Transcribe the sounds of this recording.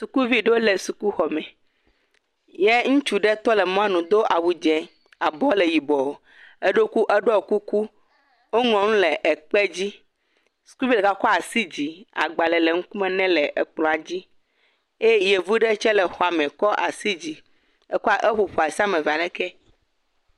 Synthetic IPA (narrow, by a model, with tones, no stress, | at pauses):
su˨ku˦vi˦ɖe˦o˦le˨su˨ku˦xɔ˨mɛ̃˨ | je˦ŋũ˦t͡ʃu˦ɖɛ˦t̪ɔ˦le˨mɔ̃˦a˦nũ˨d̪o˦ʔa˨wu˨d͡ʒɛ̃˨ | a˨bɔ˦le˨ji˨bɔ˨o˨ | e˦ɖo˦ku˦ʔɛ˦ɖɔ˦o˨ku˦ku˦ | wo˦ŋɔ̃˨ŋũ˦lɛ˨ʔɛ˨k͡pe˦d͡ʑi˦ | su̥˨ku˦bi˦lɛ˨ka˦kɔ˦a˨si˦d͡ʑi˨a̰˨ɡ͡ba˨lɛ˨le˨ŋ̩̃˦ku˦mɛ̃˦nɛ̃˦lɛ˨ʔɛ˨k͡plɔ̃˨a˨d͡ʑi˦ | e˦je˨vu˦ɖɛ˦t͡ʃɛ˦lɛ˨xɔ˨a˨mɛ̃˨kɔ˦ʔa˨si˦d͡ʑi˨ | e˦ku˦a˦˨ʔe˦ɸu˨ɸo˨a˨si˦a˦mɛ̃˨va˨lɛ˦kɛ˦